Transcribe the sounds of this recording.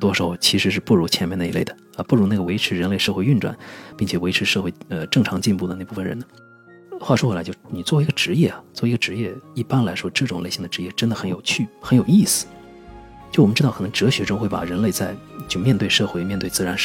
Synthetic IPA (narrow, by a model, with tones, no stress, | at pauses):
t̪wɔ˥ʂ̩˧˨˩ʊ˧˩t͡ɕʰi˧˥ʂɻ̩˧˥ʂɻ̩˥˧pu˥˩ɻu˧˥t͡ɕʰjɛ˧˥nm˧˥n˧˩i˧˥le˥˩ɪd̪ə˩ | ə˧pu˥˩ɻu˧˥na˥˩ɡə˩we˧˥ɪʈ͡ʂʰɻ̩˧˥ɻə˧˥nle˥˧ɪʂɤ˥˧xwe˥˧ɪy˥˧nʈ͡ʂwa̰˨˩˦npi˥˩ŋt͡ɕʰjɛ˨˩we˧˥ɪʈ͡ʂ̩ʰ˧˥ʂɤ˥˧xwe˥˧ɪə˧ʈ͡ʂɤ˥˩ŋʈ͡ʂʰɑ˧˥ŋt͡ɕi˥˧npu˥˩d̪ə˩na˥˧˩pu˥˩fə˩nɻə̰˧˥nd̪ə˧ | xwa˥˩ʂwxlt͡ɕo˥˧ʊ˥˩ni˨˩t͡swɔ˥˩i˧˥ɡə˧ʈ͡ʂɻ̩˧˥jɛ˥˩ɐ˩t͡swɔ˥˩˧ə˧ʈ͡ʂɻ̩˧˥jɛ˥˧i˥˩pa˥nla˧˥ɪʂwɔ˥ʈ͡ʂɤ˥˩ʈ͡ʂʊ˨˩ŋle˥˩ɕi˥˩ŋd̪ə˩ʈ͡ʂɻ̩˧˥jɛ˥˩ʈ͡ʂə˥nd̪ə˩xə˧˥njo˨˩ʊt͡ɕʰy˥˩xə˧˥njo˨˩ʊi˥˩sɹ̩˨˩ | t͡ɕjo˥˩ʊwm˧˦ʈ͡ʂɻ̩˥tɑ˥˩k̪ʰŋʈ͡ʂɤ˧˥ɕɥɛ˧˥ʈ͡ʂo˥ŋxwe˥˩ɪpa̰˨˩ɻə˧˥nle˥˧ɪt͡sa˥˧ɪt͡ɕjo˥˧ʊmjɛ˥˧nt̪we˥˧ɪʂɤ˥˧xwe˥˧ɪmjɛ˥˧nt̪we˥˧t͡sɹ̩˥˩ɻa˧˥n˥˩